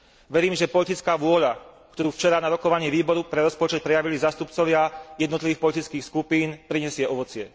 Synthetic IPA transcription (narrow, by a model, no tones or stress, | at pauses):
ʋɛɾiːmʒɛpɔlit̪it͡skaːʋʊɔʎakt̪ɔɾuːft͡ʃɛɾaːnaɾɔkɔʋaɲiːʋiːbɔɾupɾɛɾɔspɔt͡ʃɛt̪̚pɾɛjaʋilizaːst̪upt͡sɔʋɪajɛd̪nɔt̪liʋiːxpɔlit̪it͡skiːxskupiːnpɾiɲɛsɪɛɔʋɔt͡sɪɛ